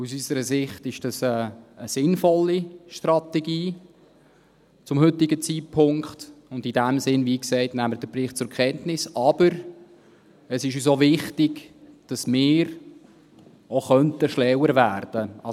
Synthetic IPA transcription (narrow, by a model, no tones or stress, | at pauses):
usysəɾəsɪχtɪʃd̥ɑsɛːsɪnfɔlːiʃtrɑtɛɡiː | t͡sʊmhʏtɪɡət͡sipʰʊŋkχtʊndidæmsɪnviːksɛɪtnæmːədəprɪχ̚t͡sʊɾkʰɛntnɪsɑb̥əɾ | əsɪʃys̬ovɪχtɪɡd̥ɑsmɪːɾ | oχœntəʃlɛwəɾvæːrd̥əɑ